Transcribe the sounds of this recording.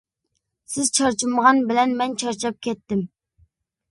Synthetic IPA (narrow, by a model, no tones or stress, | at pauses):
sɪzt͡ʃʰɑɾt͡ʃʰiməʁɑnbɪlɛnmɛnt͡ʃʰɑɾt͡ʃʰɑp̚kʲɛt̪ːɪm